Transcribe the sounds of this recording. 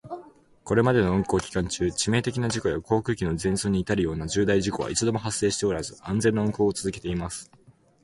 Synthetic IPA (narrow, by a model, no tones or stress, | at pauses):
ko̞ɾe̞mad̪e̞no̞ɯ̟̃ŋko̞ːkʲi̥kãɲ̟t͡ɕɨːt͡ɕime̞ːt̪e̞kʲinaʑiko̞jako̞ːkɯ̟ːkʲino̞zẽ̞ɰ̃so̞ːɲ̟iːt̪aɾɯ̟jo̞ːnad͡ʑɨːd̪aiʑiko̞βa̰ʔḭt͡sɨd̪o̞mo̞ɦasːe̞ːɕi̥t̪e̞o̞ɾazɨãnd͡zẽ̞nːaɯ̟ŋko̞ːt͡sɨzɨke̞t̪e̞imasɨ̥